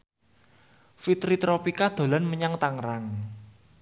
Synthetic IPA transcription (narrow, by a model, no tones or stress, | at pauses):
fit̪ɾit̪ɾopikad̪̥o̤lanməɲaŋt̪aŋɾaŋ